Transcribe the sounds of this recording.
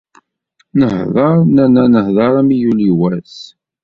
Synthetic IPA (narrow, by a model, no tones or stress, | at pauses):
nəhðˤɑɾˤnænænəhðˤɑɾˤæmijuliwæs